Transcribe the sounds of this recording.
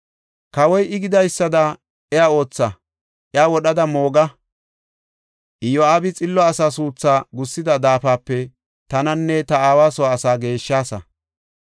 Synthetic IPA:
kɐwɔjʔɪɡɪd̪ɐjsːɐd̪ɐ | ɛjao̞ːt͡sːɐ | ʔɛaːwɔɗɐd̪ɐmo̞ːɡɐ | ʔɪjɔaːbɪt͡sʼɪlːɔɐsaːsuːt͡sːaːɡʊsːɪd̪ɐd̪aːfaːpːɛ | t̪ɐnɐnːɛt̪ɐaːwaːsɔwaːsaːɡe̞ːʃːaːsɐ̰

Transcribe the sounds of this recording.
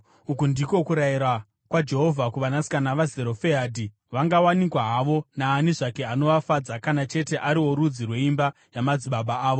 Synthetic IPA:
ukundiko̞kuɾajiɾa | kwad͡ʒe̞ɦo̞vʱakuʋanasi̥kanaʋazeɾo̞feɦaːdʱi | ʋaŋɡawanikwaɦaʋo̞naːniʐake̞ano̞ʋafad͡zakanat͡ʃe̞te̞ʔaɾiwo̞ɾud͡zirwe̞imba | jamad͡ziɓaɓaaːʋo

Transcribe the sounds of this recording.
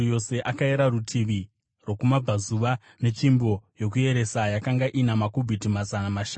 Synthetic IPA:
jo̞se̞ʔakaeɾarutʰiʋi | rwo̞kumab͡vazuʋa | ne̞t͡ʃimbo̞jo̞k̬uje̞ɾe̞sajakaŋɡaʔinamakobʱitimazanamaʃan

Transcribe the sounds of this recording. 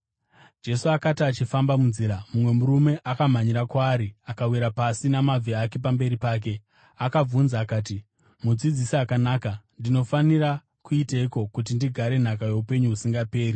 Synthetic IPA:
d͡ʒe̞suakatiat͡ʃifambamunziːɾamumwe̞muɾume̞ʔakam̤aɲiɾakwaːɾiakawiɾapasinamavʱiakip̬ambe̞ɾipaːk̬e̞ | akab͡vunzaːkaːt̬i | mud͡zid͡zisiakanaːkandino̞faniɾa | kuiteiko̞kut̬indiɡʱaɾe̞n̤akaje̞upe̞ɲuɦusiŋɡape̞ːri

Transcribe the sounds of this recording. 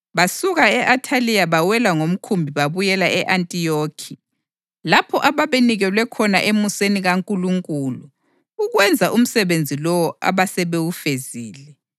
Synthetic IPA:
βasuɣaɛʔatʰalijaβawɛlaŋom̩kʰumbʱiβaβujɛlaɛʔantʼijokʰi | lapʰɔʔaβaβeniɣɛlwɛkʰɔnaʔemuseniɣaŋkʼuluŋkʼuːluː | ɣwɛnd͡zʱaʔum̩sɛβend͡zʱilɔwɔa̰βasɛβewufeziːlɛ

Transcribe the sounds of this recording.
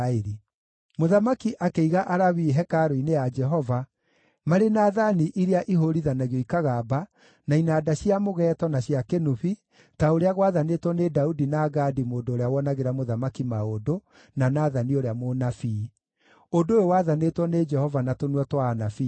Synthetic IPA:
eɾi | moðamakiʔakeiɣaʔaɾaβiɦɛkaɾoinejad͡ʒɛɦɔva | maɾenaːðaniʔiɾeaʔiɦoɾiðanaɣjɔikaɣaba | nainaːdaɕiamoɣɛtɔnaɕjakenuβi | taoɾeaɣwaðanetwɔnedaudinaɡaːdimoːndoːɾeawɔnaɣeɾamoðamakimaodo | nanaːðanioɾeamonafiː | odojowaðanetwɔned͡ʒɛhɔvanatonwɔtwaːnafi

